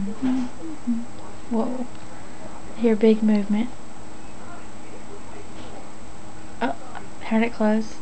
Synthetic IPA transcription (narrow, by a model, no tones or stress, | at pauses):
wɛlˠ | hiɹɨbɪɡ̚mʉvmɨ̃nt̚ | ʌ | haɾɨt̚kʰl̥oʊz̥